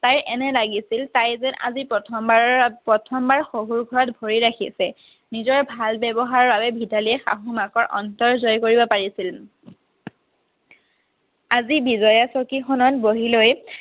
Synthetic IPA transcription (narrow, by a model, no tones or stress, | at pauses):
tajʔɛnɛlaɡisiltajzɛnʔa̰zipɹɔtʰɔmbapɹɔtʰɔmbaɹxoɦuɹɡʱɔɹɔtbʱoɹiɹakʰḭsɛ | nizɔɹbʱalbɛbɔɦaɹbabɛbʱidaliɛxa̰ɦumakɔɹʔɔ̰ntɔɹzɔjkoɹibɔpaɹisil | azibizɔjasɔkixɔnɔtboɦiloj